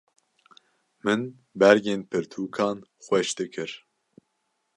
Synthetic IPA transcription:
mɨn | bɛɾɡeːnpʰɨɾt̪ʰuːkʰɑːnxʷɛʃd̪ɨkʰɨɾ

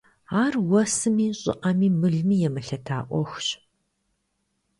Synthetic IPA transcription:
aːrwɐsɨmiːɕʼɪ̰ʔɐmiːmɨɮmiːjɛmɨɬɐtʰaːʔʷɔxɕ

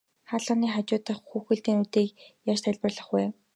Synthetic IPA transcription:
χaːɮʊːniːχat͡ɕʊːt̪ə̆χxuːxɘ̆ɮt̪iːnut̪eːkjaːt͡ɕt̪ʰæɮʲpə̆rɮə̆χwæː

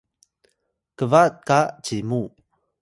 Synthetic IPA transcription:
kəvat̚kat͡ɕimu

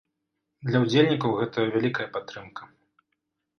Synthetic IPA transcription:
d̪lʲɐwd͡zʲelʲnʲikɐwɣɛt̪ɐvʲalʲikɐjɐpat̪ːɾɨmkʰɐ̥

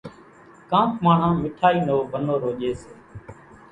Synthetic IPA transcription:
kãːpmaːɳ̤ãːmɪʈʰaːiːnoːbʱənoːɾoːʄeːseː

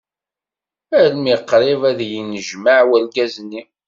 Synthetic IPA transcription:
ælmiqːɾˤevæðjinəʒmaʕwælɡæzni

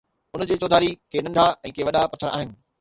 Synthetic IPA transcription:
ʊnd͡ʑeːt͡ɕoːd̪ʱaːɾikʰeːnɐ̃ɳɖʱaɛ̃ːkeːʋɐɗapɐt̪ʰːəɾʔa̰ːɦɪnɪ̆

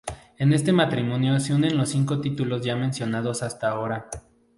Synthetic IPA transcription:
e̞ne̞st̪e̞mat̪ɾimõ̞njo̞seune̞nlo̞sːiŋko̞t̪it̪ulo̞zʝamẽ̞nsjo̞nað̞o̞sast̪aːo̞ɾa

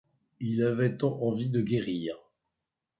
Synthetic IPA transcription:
ilavɛt̪ɑ̃ʔɑ̃vid̪əɡʲeʁiːʁ

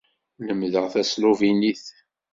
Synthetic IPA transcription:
nəmðəʁθæsluviniθ

